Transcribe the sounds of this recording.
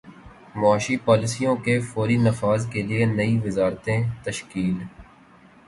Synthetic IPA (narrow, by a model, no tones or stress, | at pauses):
mʊaːʃipaːlɪsijõkefɔːɾinɐfaːzkelienɐiʋɪzaːɾt̪ẽt̪əʃkiːl